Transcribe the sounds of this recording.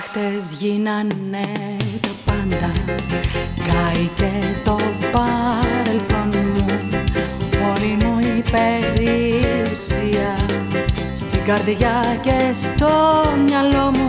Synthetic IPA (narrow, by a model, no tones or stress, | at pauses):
xt̪e̞zʝinɐnet̪opɐnd̪ɐ | ɡɐicet̪o̞pɐɾelθo̞nmu | po̞limuipe̞ɾiusiɐ | st̪iɡɐɾðiʝɐce̞st̪o̞mɲɐlo̞mu